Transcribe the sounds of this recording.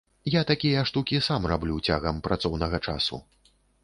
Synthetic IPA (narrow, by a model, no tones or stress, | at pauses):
jat̪akʲijɐʂt̪ukʲisamrablʲut͡sʲaɣɐmpɾat̪sɔwnɐɣɐt͡ʂa̰sṵ